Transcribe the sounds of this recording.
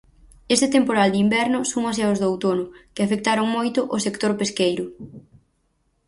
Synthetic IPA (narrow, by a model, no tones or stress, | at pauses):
est̪ɪt̪empoɾald̪ɪimbɛɾnʊsoŋas̬eaozðawt̪onʊkɪafek̚t̪aɾoŋmojt̪ʊʔʊsekt̪oɾpeskejɾʊ